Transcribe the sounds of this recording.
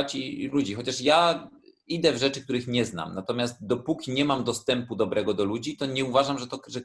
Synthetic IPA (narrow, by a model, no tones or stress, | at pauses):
t͡ɕilud͡ʑixɔt͡ɕaʂja | id̪ɛvʐɛt͡ʂɘkt̪uɾɘxɲɛzna̰mnat̪ɔmʲjast̪̚d̪ɔpukʲiɲɛmamd̪ɔst̪ɛmpud̪ɔbɾɛɡɔd̪ɔlud͡ʑit̪ɔɲɛuvaʐamʐɛt̪ɔʐɛ